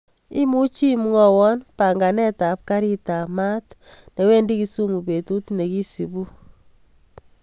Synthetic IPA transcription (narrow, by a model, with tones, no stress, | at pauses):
i˦mu˦t͡ʃi˦m˦ŋɔ˨wɔ˦npa˨ŋɡa˨nɛ˦ta˨p̚ka˦ɾi˦ta˨ma˦tne˨we˦ndi˦ki˨su˦ŋu˨pe˨tu˦tne˨ki˦si˨bu˦